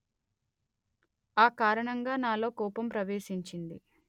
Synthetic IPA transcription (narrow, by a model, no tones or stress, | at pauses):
aːkaːɾɐɳɐŋɡaːnaːlo̞ːkɔːpɐmpɾɐʋeːʃiɲt͡ʃind̪i